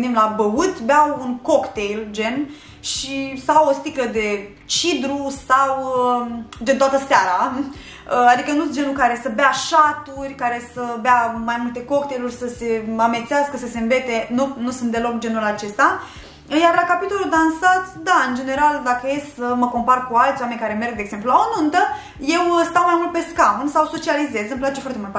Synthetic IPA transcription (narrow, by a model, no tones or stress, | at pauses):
nd̪imlabəut̪beawunko̞kt̪e̞jld͡ʒe̞n | ʃisawost̪ikləd̪e̞ | t͡ʃid̪ɾusaw | d͡ʒent̪oat̪əseaɾa | əad̪ikənut̪̚d͡ʒe̞nukaɾe̞səbeaʃat̪urʲkaɾe̞səbeamajmult̪e̞ko̞kt̪ejlurʲsəse̞ame̞t̪seɪaskəsəse̞ɨnve̞t̪e̞nunusunt̪d̪e̞lo̞kd͡ʒe̞nulat͡ʃe̞st̪a | jarlakapit̪o̞lud̪ansat̪sʲd̪aɨnd͡ʒe̞ne̞ɾald̪akəjessəməko̞mparkualt̪sʲwame̞nʲkaɾe̞me̞rɡ̚d̪eːɡz̥e̞mp̬lulaonunt̪ə | je̞wst̪awmajmult̪̚pe̞skamunsawso̞t͡ʃialize̞zəmplat͡ʃefoart̪emult̪